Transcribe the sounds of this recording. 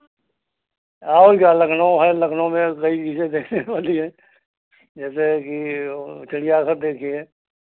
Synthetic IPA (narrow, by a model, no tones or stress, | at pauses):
aːoɾkjalɐkʰnõɦɛlɐkʰnõmẽkɐit͡ʃiːsẽd̪eːkʰneʋaːliɦɛ̃ː | d͡ʒɛːsekit͡ʃɐɽijaːsəɾd̪eːkʰiɦɛ̃ː